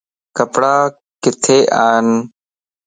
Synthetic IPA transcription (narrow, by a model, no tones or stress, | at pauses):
kəpɽaː | kɪt̪ʰeːʔaːn